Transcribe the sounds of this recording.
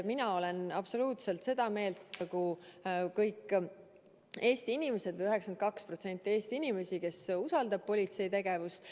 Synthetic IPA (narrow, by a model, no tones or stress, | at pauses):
minɑo̞le̞nɑb̥so̞luːt̪se̞lt̪se̞d̪̥ɑme̞ːlt̪ɑkukɤjkː | e̞ːst̪iinʲimese̞d̪̥vɤjyɦeksɑnt̪kɑkspro̞t̪se̞nʲt̪ʲˑːie̞ːst̪iinime̞sike̞susɑld̪ɑb̥̚po̞lʲit̪se̞jt̪e̞ɡ̥e̞vus